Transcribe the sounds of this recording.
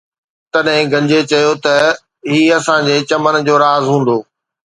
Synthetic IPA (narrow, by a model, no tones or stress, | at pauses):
t̪ɐɗɦɪ̃ɡɐ̃ɲd͡ʑet͡ɕɐjot̪ɐ | ɦiːɐsãd͡ʑeːt͡ɕɐmənd͡ʑoːɾaːzɦũːn̆d̪oː